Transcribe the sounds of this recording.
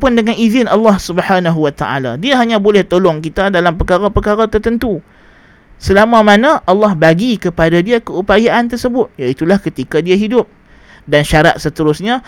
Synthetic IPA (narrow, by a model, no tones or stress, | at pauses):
pʊndəŋanizɪnalːɑhsubəhanaɦuwat̪aʔa̰la̰diaɦaɲãbolɛht̪olɔŋkit̪adalampəkaɾapəkaɾat̪ərt̪ənt̪u | səlamãmanãʔɑlːɑhbaɡikəpadadiakəupajaʔant̪ərsəbʊt̪̚jait̪ulahkət̪ikadiaɦidʊp̚ | danʃaɾa̰t̪̚sət̪əɾʊsɲã